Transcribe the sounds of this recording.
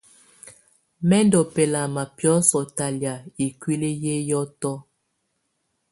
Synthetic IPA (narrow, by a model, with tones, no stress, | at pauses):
mɛ˦ndɔ˨pɛ˨la˨ma˨pjɔ˦sɔ˨ta˨lja˨i˨kwi˦le˦je˦jɔ˦tɔ˦